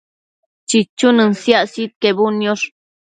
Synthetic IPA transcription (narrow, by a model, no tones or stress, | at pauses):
t͡ʃit͡ʃːunɨnsjaʔsit̪̚kebunjoɾ